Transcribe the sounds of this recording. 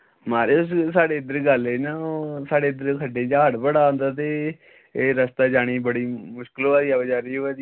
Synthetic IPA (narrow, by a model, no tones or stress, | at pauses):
maːɾeːʊssaːɽeːɪd̪əɾɡəliːnaːsaːɽeːɪd̪əɾkʰəɖeːd͡ʒaːəɖpəɽaːõːnd̪aːt̪̬eː | eːɾəst̪aːd͡ʒaːɽ̃iːbəɽiːmʊʃkəloːaːd̪iːabəd͡ʒaːɾiːoaːd̪i